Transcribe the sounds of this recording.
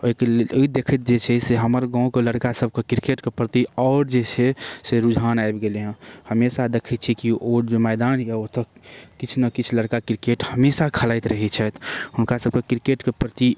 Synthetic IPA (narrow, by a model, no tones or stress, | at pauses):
oikeloid̪ekʰət̪̚d͡ʒet͡ʃʰɛseɦəməɾɡãũkeləɾkasəb̚ʱkekiɾkeʈkepɾət̪iɔʊɾd͡ʒet͡ʃʰɛseɾud͡ʒʱanaebɡeleɦə̃həmesad̪ekʰit̪t͡ʃʰikioɾd͡ʒomɛd̪anjeot̪əkit͡ʃʰnəkit͡ʃʰləɾkakɾkeʈhəmesakʰəlajt̪ɾəɦit͡ʃʰɛt̪ɦʊnkasəb̚kekɾkeʈkepɾət̪i